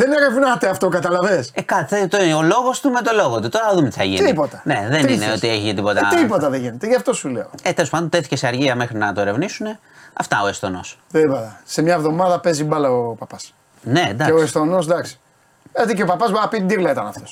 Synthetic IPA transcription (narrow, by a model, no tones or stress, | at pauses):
ðeneɾe̞vnɐt̪eɐft̪okɐt̪ɐlɐvesekɐt̪iθet̪oolo̞ɣo̞st̪umet̪o̞lo̞ɣot̪ut̪oɾɐɐðumet̪i̥θɐjʝḭnipot̪ɐne̞̰ðenineot̪ieçit̪ipo̞t̪ɐt̪ipot̪ɐðeʝinet̪eʝɐft̪o̞sule̞̰oet̪elospɐnd̪oeθi̥ceseɐɾʝiɐme̞xɾinɐt̪oeɾe̞vnisune̞ | ɐft̪ɐo̞est̪o̞̰no̞̰st̪iipot̪ɐsemɲɐevðo̞mɐðɐpe̞zibɐlɐopɐpɐs | ne̞d̪ɐkeoest̪o̞no̞s̬d̪ɐksi̥ | et̪iceopɐpɐzboɾɐpit̪d̪iɣlɐit̪ɐnɐft̪os